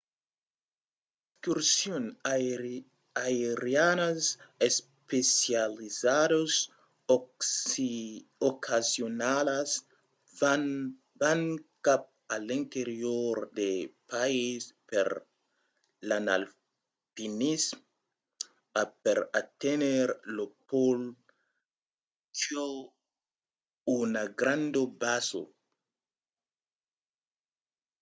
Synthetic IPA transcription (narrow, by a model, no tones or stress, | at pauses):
eskyɾsjon | aeɾjanases | pesjalizados | okʰasjonalas | vankap̚alint̪eɾjoɾd̪epaispeɾ | lanal | pinis | apeɾat̪eneɾlopol | t͡ʃo | unaɡɾand̪obaso̰